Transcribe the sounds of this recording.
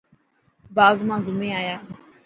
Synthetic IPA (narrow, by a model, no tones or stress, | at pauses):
baːɡmãːɡʱʊmẽːaːjaː